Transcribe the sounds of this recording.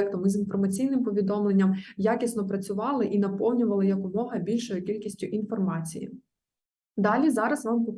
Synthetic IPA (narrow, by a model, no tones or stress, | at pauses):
ɛkt̪ɔmizinfɔrmɐt͡sʲijnɪmpɔʋʲid̪ɔmlˠenʲːɐmjakʲisnɔpɾɐt͡sʲʊʋɑlˠɪʔinɐpɔwnʲʊʋɐlˠɪjɐkʋʊmɔɦɐbʲilʲʃɔjʊkʲilʲkʲisʲtʲʊʔin̪fɔrmɑt͡sʲḭjḭ | d̪ɑlʲizɑɾɐzʋɑmpɔ